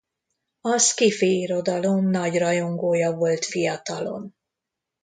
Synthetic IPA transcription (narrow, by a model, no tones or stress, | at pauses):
ɒskifiiɾo̞d̪ɒlo̞mnɒɟrɒjo̞ŋɡoːjɒvo̞lt̪fijɒt̪ɒlo̞̰n